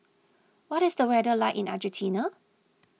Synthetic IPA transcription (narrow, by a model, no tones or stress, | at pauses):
wɔtɪsdəwɛdəlaɪʔɪ̃na̰d͡ʒə̃ntʰinə